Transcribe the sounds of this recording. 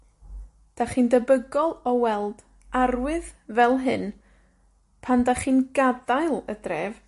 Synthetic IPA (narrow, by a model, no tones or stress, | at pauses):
d̥aχiːndəbəɡɔlˠɔwɛlˠd̥ | arwɨðvɛlˠɦɨn | pʰandaχiːnɡadajlˠə̰drɛv